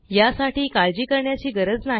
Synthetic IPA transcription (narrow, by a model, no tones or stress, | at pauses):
jasaʈiːkald͡ʑiːkəɾɳjat͡ɕiːɡəɾəd͡zna